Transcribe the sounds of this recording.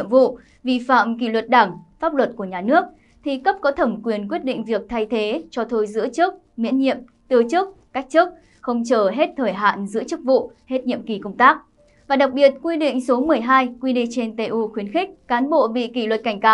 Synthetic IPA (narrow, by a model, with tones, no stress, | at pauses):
əmvṵ˧˨ | vḭ˧˨fa̰ː˧˨mki˧˩lwə˨˩t̚ɗaː˧˩ŋfaː˦˥p̚lwə˨˩t̚ku˧˩əɲaː˨˩nɨ˦˥ək̚ | t̪ʰi˨˩kə˦˥p̚kɔ˨˦t̪ʰə˧˩mkwi˨˩ənkwi˦˥ət̚ɗḭ˧˨ŋ̟vi˨˩ək̚t̪ʰa˧jt̪ʰe˨˦t͡ɕɔ˧t̪ʰo˧jzɨ̰˧˥ət͡ɕɨ˦˥ək̚ | mḭ˧˥ənɲḭ˧˨əm | t̪ɨ˧˩ət͡ɕɨ˦˥ək̚ka˦˥jk̚t͡ɕɨ˦˥k̚ | xə˧wŋ͡mt͡ɕəː˧˩ɦe˦˥t̚t̪ʰəː˧˩jɦa̰ː˧˨nzɨ̰˧˥ət͡ɕɨ˦˥k̚vṵ˧˨he˦˥t̚ɲḭ˧˨əmki˧˩kə˧wŋ͡mt̪aː˦˥k̚ | vaː˨˩ɗa˨˩k̚ɓi˨˩ət̚kwi˧ɗḭ˧˨ŋ̟so˨˦mɨ˨˩əjɦaː˧jkwi˧ɗi˧˨t͡ɕe˧nt̪e˧ʔu˧xwi˨˦ənxi˦˥k̟̚kaː˨˦nɓo̰˧˨ɓḭ˧˨ki˧˩lwə˨˩t̚ka˧˩jŋ̟kaː˨˦w